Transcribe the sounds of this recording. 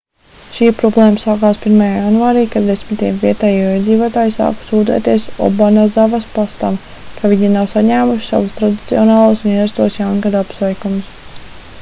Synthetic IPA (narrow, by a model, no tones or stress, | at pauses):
ʃiːpɾɔblˠeːməsaːkaːspʲiɾmajaːjanvaːɾiːkad̪esʲmʲit̪ijɛmviɛt̪ɛːjuɔːiɛd̪ziːvoɔt̪aːjsa̰ːksuːd̪ɛ̰ːt̪iɛsɔ̰banazavaspast̪am | kʰavʲiɲinawsaɲæːmuʃi̥sa̰vust̪ɾad̪i̥t̪siɔnɑːlˠuɔsmiɛɾast̪uɔsjanɡad̪apsvɛjkums